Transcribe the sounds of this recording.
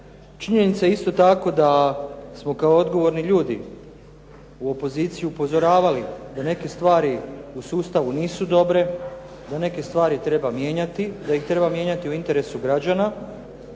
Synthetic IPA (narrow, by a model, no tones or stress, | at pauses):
t͡ʃiɲe̞nit̪sajeist̪o̞t̪ako̞d̪asmo̞kaood̪ɡo̞ʋo̞ɾniʎuːd̪i | uo̞po̞ziːt̪sijuupo̞zo̞ɾaːʋalid̪ane̞ke̞st̪ʋaːɾiusuːst̪aʋuniːsud̪o̞bɾe̞ | d̪ane̞ke̞st̪ʋaːɾit̪ɾe̞bamje̞ːɲat̪id̪ajixt̪ɾe̞bamje̞ɲat̪iuint̪e̞ɾe̞suɡɾad͡ʑana